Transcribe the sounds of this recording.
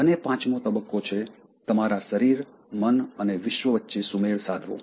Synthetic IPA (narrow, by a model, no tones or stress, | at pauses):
ənepãt͡ʃmõt̪əbəkːot͡ʃʰe | t̪əmaɾaʃəɾiɾ | mənəneʋɪʃʋəʋətːʃesumeɭsad̪ʱʋõ̰